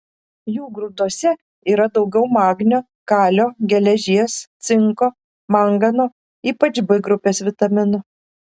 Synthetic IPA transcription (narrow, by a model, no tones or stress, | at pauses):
juːɡɾʊd̪uɔsʲɛ | iːɾɐd̪ɒʊɡʲɛʊmɑːɡnʲoː | kɑːlʲoːɡʲɛlʲɛʒʲiɛst̪sʲɪŋkoː | mɐŋɡɐnoː | iːpɐt͡ʃbʲɪɡɾʊpʲeːsʋʲɪt̪ɐmʲɪnʊ